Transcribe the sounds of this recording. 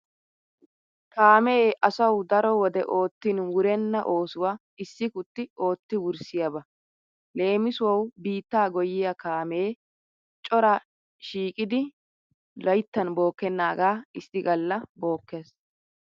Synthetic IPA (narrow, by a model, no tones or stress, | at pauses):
kaːmeːʔɐsɐwd̪ɐɾɔwɔd̪ɛʔo̞ːt̪ːinwʊɾɛnːɐʔo̞ːsʊwa | ɪsːɪkʊt̪ːɪo̞ːt̪ːɪwʊɾsɪjabɐ | le̞ːmɪsʊwɐwbiːt̪ːaːɡɔjːɪjɐkaːmeː | t͡ʃʼɔɾɐ | ʃiːkʼɪd̪ɪ | lɐjt̪ːɐnbo̞ːkːɛnːaːɡaːɪsɪɡɐlːɐbo̞ːkːeːs